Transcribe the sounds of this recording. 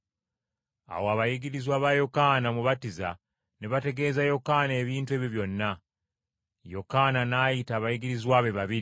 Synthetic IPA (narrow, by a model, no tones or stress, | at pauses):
a̰woaβajiɡiɾizwaβajo̞kaːnamuβatiza̰ | neβate̞ɡe̞ːzajo̞kaːneːβiːntwe̞ːβiβjo̞nːa | jo̞kaːnanaːjitaːβajiɡiɾizwaːβeβaβiɾi